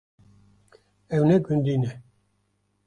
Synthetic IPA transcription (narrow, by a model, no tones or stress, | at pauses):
ɛwnɛɡund̪inɛ